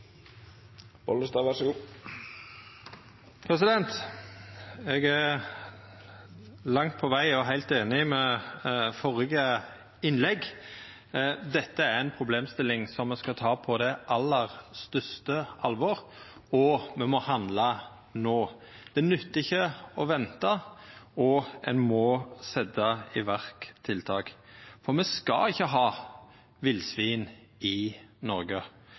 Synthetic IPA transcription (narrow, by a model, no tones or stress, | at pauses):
bɔləst̪ɑːʋæʂəɡuː | pʰɾɛsɪd̪ɛnt̪ | eːɡæɾ | lɑŋt̪̚pʰɔʋæɪɔɦæɪlt̪eːnɪmɛ | fɔʁjəɡə | ɪnlɛɡ | d̪ɛt̪ːəæɾɛnpʰɾʊbleːmst̪ɪlːɪŋsɔmːɛskɑt̪ʰɑːpʰɔd̪ɛʔɑlːəɾst̪œʂt̪əʔɑlʋɔɾɔmɛmɔhɑnd̪lɑ | noː | d̪̥ɛnʉt̪ːɪçːəɔʋɛnt̪ɑɔɛ̰nmɔsɛd̪ɑɪʋæɾkt̪ʰːɪlt̪ʰɑːkfɔɾmɛskɑ̰ɪçːəɦɑː | ʋɪlsʋiːn | ɪnɔɾɡə